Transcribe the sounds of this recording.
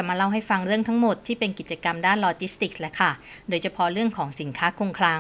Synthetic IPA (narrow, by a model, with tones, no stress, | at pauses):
a˨˩maː˧la˥˩wɦa˥˩jfa˧ŋɾɯ˥˩əŋt̪ʰa˦˥ŋmo˨˩t̪ʰːiː˥˩pe˧nki˨˩t̪̚t͡ɕa˧ka˧mdaː˥˩nlɔː˧t͡ɕi˦˥st̪i˨˩k̚lɛ˦˥kʰa˥˩ | doː˧jt͡ɕʰa˧pʰɔ˦˥ɾɯ˥˩əŋkʰɔː˩˦ŋsi˨˩˦nkʰaː˦˥kʰu˧ŋkʰlaː˧ŋ